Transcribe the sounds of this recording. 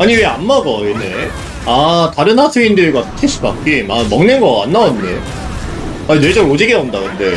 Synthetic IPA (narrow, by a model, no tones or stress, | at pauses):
aɲiweanmaɡʌene | ataɾɯnhasʰɯindɯɭɡwasʰtʰes͈ʰɯba̰k͈imamʌŋnenɡʌa̰nːaʌmnḛ | anwe̞d͡ʑʌɡod͡ʑiɡeʌndakɯɯnde̞